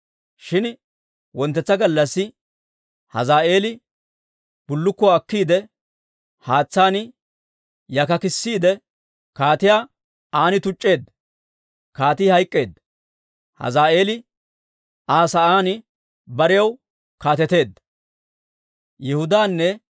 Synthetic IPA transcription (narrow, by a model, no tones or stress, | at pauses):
ʃɪn | wɔnt̪ːɛt͡sːɐɡɐlːɐsːɪ | hɐ̰zaːʔe̞ːlɪ | b̥ʊlːʊkːɔɐkːiːd̪ɛ | haːt͡sːaːnɪ | jɐkɐkɪsːiːd̪ɛ | kaːt̪ɪjaː | aːnɪt̪ʊt͡ʃʼːe̞ːd̪ːɐ | kaːt̪iːhɐjkʼːe̞ːd̪ːɐ | hɐ̰zaːʔeːlɪ | aːsɐʔaːnɪ | bɐɾɪjɐw | kaːt̪ɛt̪e̞ːd̪ːɐ̥ | jɛhʊd̪aːnːɛ